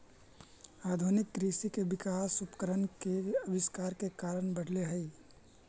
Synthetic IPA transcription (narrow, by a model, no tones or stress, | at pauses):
aːd̪ʱunɪkːɾisikebɪkaːsupkəɾənkeəbɪskaːɾkekaːɾəɳbəɽʱleɦəi